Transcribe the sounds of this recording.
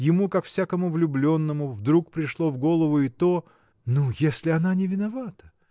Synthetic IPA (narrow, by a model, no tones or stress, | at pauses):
jɪmukakfsʲakəmʊvlʲʊblʲo̞nːəmʊvd̪ɾuk̚pɾʲɪʂlˠo̞vɡo̞lˠəvʊɪt̪o | nujesʲlʲɪɐnanʲɪvʲɪnɐvat̪ə̥